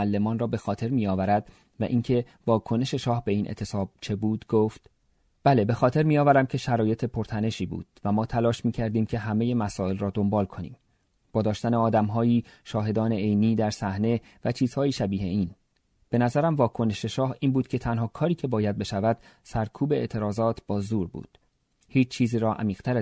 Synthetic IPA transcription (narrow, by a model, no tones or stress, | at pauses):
ælːe̞mɒːnrɒːbe̞xɒːt̪ʰe̞ɾmiːjɒːvæɾæd̪̥ | væ̰ʔiːŋcʰe̞ | vɒːkʰo̞ne̞ʃe̞ʃɒːhbe̞iːnʔḛt̪ʰe̞sɒːb̥̚t͡ʃʰe̞buːd̪ɡoft̪ | b̥æle̞be̞xɒːt̪ʰe̞ɾmiːjɒːvæɾæmcʰe̞ʃæɾɒːje̞t̪ʰe̞pʰo̞ɾt̪ʰæne̞ʃiːbṵːd̪̥væmɒːt̪ʰælɒːʃmiːcʰæɾd̪iːmcʰe̞ɦæme̞je̞mæsɒːe̞lrɒːd̪o̞mbɒːlkʰo̞nḭːm | b̥ɒːd̪ɒːʃt̪æneɒːd̪æmɦɒːjiːʃɒːɦe̞d̪ɒːne̞ejniːd̪æɾsæhne̞ | væt͡ʃʰiːz̥hɒːjiːʃæbiːhe̞iːn | b̥e̞næzæɾæmvɒːkʰo̞ne̞ʃe̞ʃɒːhiːnbuːd̪̥̚cʰe̞t̪ʰænhɒːkʰɒːɾiːcʰe̞bɒːjæd̪̚be̞ʃævæd̪̥ | sæɾkʰuːbeet̪ʰe̞ɾɒːzɒːt̪ʰb̥ɒːzuːɾbṵːd̪̥ | hiːt͡ʃt͡ʃʰiːziːɾɒːʔæ̰miːɣ̥t̪ʰæɾ